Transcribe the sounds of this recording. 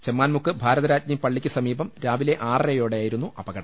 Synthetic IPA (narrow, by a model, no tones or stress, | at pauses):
t͡ɕemːaːnmukːɨbʱaːɾɐðɐɾaːd͡ʑnimpɐɭːikʲːɨsɐmiːbɐmɾaːʋile̞ʔaːrejo̞ːɽejaːjiɾunːuʔɐbɐɣɐɽɐm